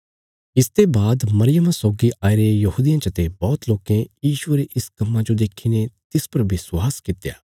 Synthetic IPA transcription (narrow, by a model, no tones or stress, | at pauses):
ɪst̪ebaːd̪mɐɾɪjəmãsɔːɡiʔaːiɾejɐɦuːd̪ijãt͡ʃɐt̪ebɔːt̪loːkẽjiːʃʊeɾeʔɪskɐmːãd͡ʒod̪eːkʰinet̪ɪspɐɾʋɪsʊwaːskɪt̪ːeja̰ː